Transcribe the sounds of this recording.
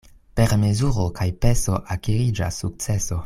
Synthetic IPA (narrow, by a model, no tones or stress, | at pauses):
pe̞ɾme̞zuɾokajpe̞so̞ʔakiɾid͡ʒa̰sːuk̚t͡se̞so̞